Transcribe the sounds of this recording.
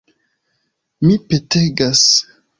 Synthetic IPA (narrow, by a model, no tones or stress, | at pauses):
mipeteɡas